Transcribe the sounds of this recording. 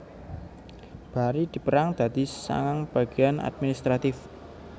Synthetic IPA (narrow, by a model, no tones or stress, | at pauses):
b̥a̤ɾid̪̥i̤pəɾaŋd̪̥a̤d̪̥i̤sa̰ŋaŋb̥a̤ɡ̥i̤ana̰d̪̚minist̪ɾat̪ɪf